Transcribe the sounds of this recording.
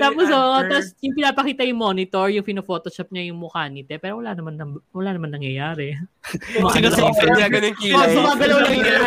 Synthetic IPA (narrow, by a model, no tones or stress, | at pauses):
t̪aːposoʔot̪asjʊŋpɪnaːpɐkiːt̪ɐjʊŋmo̞ːnɪt̪oɹjʊŋpɪnofoːt̪ot͡ʃɐp̚ɲɐjʊŋmʊkaːnɪt̪ɛpɛːɾowɐlaːnɐmanːɐwɐlaːnɐmanːɐŋjɐjaːɾɛmɐsɪnɐloɐaɡɐnoŋkibʊmaːɡɐlɐwlɐ